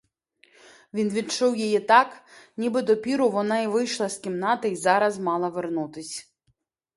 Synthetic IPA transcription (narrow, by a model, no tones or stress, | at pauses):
ʋʲinʋʲitt͡ʂɔwjɛjɛt̪aknʲibɨd̪ɔpʲiɾʊʋɔnaiʋɨjʃlˠɐskʲimnat̪ɨizɑɾɐzmɑlˠɐʋɛrnut̪ɪsʲ